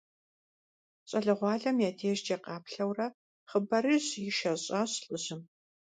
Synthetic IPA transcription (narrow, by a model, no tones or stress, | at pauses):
ɕʼɐɮɨʁʷɑːɮɐmjaːdʰeːʒd͡ʒeːqɑːpɬɐwrɐ | χəbɐɾɨɕjɪʃɐɕʼaːɕɬʼɨʑɨm